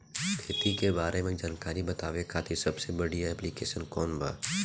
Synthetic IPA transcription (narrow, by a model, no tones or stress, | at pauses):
kʰeːt̪ikebaːɾemẽd͡ʒaːnkaːɾibɐt̪aːʋekʰaːt̪ʰisɐbsebɐɽijaɛplikeːʃənkɔːnba̰ː